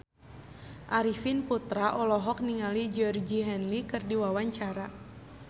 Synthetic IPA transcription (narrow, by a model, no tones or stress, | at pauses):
ʔaɾifinput̪ɾaʔɔlɔɦɔk̚niŋalid͡ʒɔrd͡ʒiɦɛnlikɨrdiwawaɲt͡ʃaɾa